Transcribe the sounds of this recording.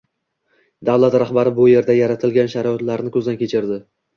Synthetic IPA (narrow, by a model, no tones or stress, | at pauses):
d̪awlˠat̪ɾaχbaɾɪbʊje̞ɾd̪ajaɾat̪ʰɪlɡʲanʃaɾɒɒt̪laɾnɪkʲʰɵzd̪ankʲʰe̞t͡ʃʰɪɾd̪ɪ